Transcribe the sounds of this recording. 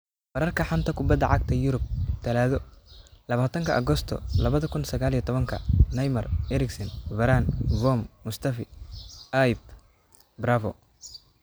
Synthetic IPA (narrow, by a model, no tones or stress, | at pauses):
bɐɾɐrkʰɐħant̪ʰɐkʰʊbɐd̪ɐʕɑɡt̪ʰɐjʊɾʊb̚t̪ʰɐlaːðɔlɐβaːt̪ʰɐŋkʰɐ̰ʔɐ̰ɣɔst̪ʰɔ̰lɐβɐðɐkʰʊnsɐɣaːlijɛt̪ʰɔβɐŋkʰɐ̰nɐjmɐrɛɾɪksɐnvɐɾaːnvɔmːʊst̪ʰɐfɪajb̚ | bɾavɔ